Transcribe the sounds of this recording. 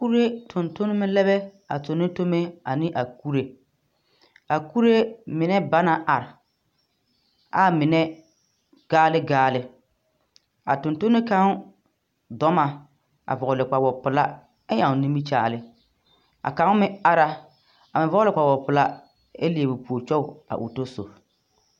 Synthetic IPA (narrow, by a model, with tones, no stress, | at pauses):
ku˦ɾe˦tʰʊ˨ntʊ˦nɪ˦mɪ˦lɛ˦bɛ˦ | a̰˨tʊ˨nɪ˦to˦me˦a˨nɪ˦ʔa˨ku˦ɾe˦ | a˨ku˦ɾe˦mɪ˨nɛ˦ba˦na˨ʔa˨ɾɪ˨ | a˦mɪ˨nɛ˦ | ɡ̥aː˦lɪ˦ɡaː˦lɪ˦ | a̰˨tʊ˨nto˦nɪ˦ka˦ŋ˦ | dɔ˦ma˨ | a̰˨vɔ˨ʊ˨lɪ˨k͡pa˨wɔ˨pʊ˨la˦ | ɛ˦ja˨ŋ˨ni˦mi˦t͡ʃa̰ː˨lɪ˦ | a̰˨ka˦ŋ˦mɪ˦a˦ɾa˦ | a˨mɪ˨vɔ˦lɪ˨k͡pa˨wɔ˨pʊ˨la˦ | e˦li˨e˨bu˨pu˨o˨t͡ʃɔ˦˨a̰˨ʔʊ̰˨to˦so̰˨